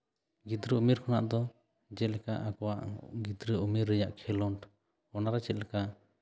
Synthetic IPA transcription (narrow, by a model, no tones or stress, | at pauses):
ɡid̪ɾəumiɾkʰɔnaʔd̪ɔ | d͡ʒɛt̪̚lɛka̰ʔakɔwaʔɡid̪ɾəumiɾːɛjaʔkʰɛlɔɳʈ | ɔnaɾɛt͡ʃɛt̪̚lɛkaʔ